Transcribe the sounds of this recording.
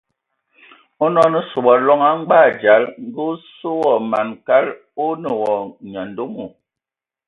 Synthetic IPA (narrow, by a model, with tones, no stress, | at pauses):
o˦nɔ˦nə˦so˨ɓɔ˨lɔ˦ŋa˦ŋ͡mɡ͡ba˦˨d͡ʒa˨˦lŋ˦ɡu˦so˦wɔ˨ma˨nka˦l | o˦nə˨wɔ˨ɲa˨n˨do˦mu˨